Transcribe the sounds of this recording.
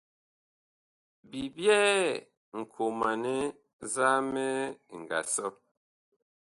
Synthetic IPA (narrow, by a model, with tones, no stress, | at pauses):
bi˨bjɛː˦ | ŋ̩˨kʰo˨ma˨ne˦ | za˦mɛ˦˨ŋ̩˨ɡa̰˨sɔ˦